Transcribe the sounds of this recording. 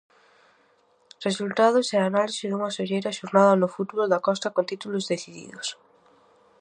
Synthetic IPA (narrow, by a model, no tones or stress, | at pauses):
result̪aðʊsɛanalisɪðuŋasoʎejɾɐʃoɾnaðɐnʊfut̪βold̪akɔst̪akont̪it̪ulozðeθiðḭðos